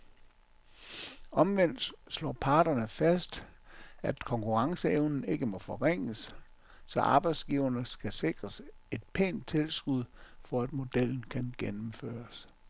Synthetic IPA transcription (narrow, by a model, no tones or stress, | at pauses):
ɒ̽mʋen̰d̥sslɔ̰ːpʰɑ̈ːd̥ɐnəfæsd̥ | æd̥kʰɒ̽ŋkʰuʁɑ̈ŋsəeʊnn̩e̝ɡ̥əmɒ̽fɒ̽ʁeŋ̰əs | sɒ̽ʔɑ̈ːb̥ɑ̈ɪd̥sɡ̥iːʊɐnəsɡ̥æse̝ɡ̥ʁɐse̝d̥̚pʰḛːnd̥̚t͡sʰe̝lsɡ̥uð̰ˠfɒ̽æd̥̚mo̝d̥el̰n̩kʰænɡ̥enm̩fø̰ːɐs